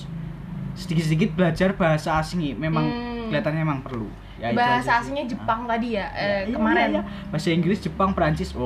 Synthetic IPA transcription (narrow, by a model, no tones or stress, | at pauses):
sədikɪt̪sədikɪt̪̚bəlad͡ʒarbaɦasaːsɪŋimemaŋɡəliat̪anɲaemaŋpərlṵ | jaibaɦasaːsɪŋɲad͡ʒəpaŋt̪adijaʔəkəmaɾanɲa | b̥aɦasaiŋɡɾɪsd͡ʒ̥əpaŋpɾaɲt͡ʃɪswɔ